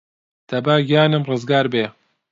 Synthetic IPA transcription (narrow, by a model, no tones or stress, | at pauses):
t̪ʰɐbaːɡjaːnɨmrɨzɡaːɾbeː